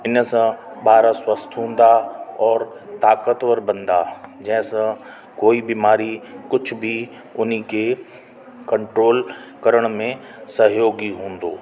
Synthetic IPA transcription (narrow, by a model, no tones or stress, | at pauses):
ɪnsãɓaːɾaswəst̪ʰɦũːn̆d̪aɔːɾ | t̪aːkət̪ʋəɾbɐ̃nd̪ad͡ʑɐ̃ɦɪ̃sã | koːibimaːɾikʊd͡ʒʰbʱi | ʊn̤ike | kɐ̃ɳʈɾoːlkɐɾəɽ̃mẽ | sɐɦjoːɡiɦũːn̆d̪oː